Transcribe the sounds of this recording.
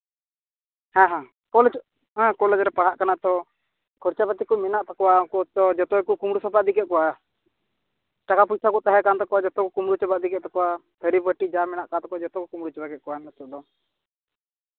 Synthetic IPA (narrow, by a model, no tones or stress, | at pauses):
hãɦã | kɔlɛd͡ʒ | ɦãkɔlɛd͡ʒɾɛpaɽ̤aʔkanaʔt̪ɔ | kʰɔɾt͡ʃapət̪ikɔminaʔt̪akɔwakɔt̪ɔd͡ʒɔt̪ɔɛkukumɽusapaʔd̪ikɛʔ̪̚kɔwa | ʈakʰapujt̪ʰakɔʔt̪aɦɛkant̪ɔkɔwad͡ʒɔt̪ɔkɔkumɽut͡ʃɛbaʔd̪ikɛʔt̪akɔwa | t̪ʰəɾibəʈid͡ʒamɛnaʔkant̪ɔkɔad͡ʒɔt̪ɔkɔkumɽut͡ʃɔbaɡɛt̪̚kɔwaɛnət̪ɔʔd̪ɔ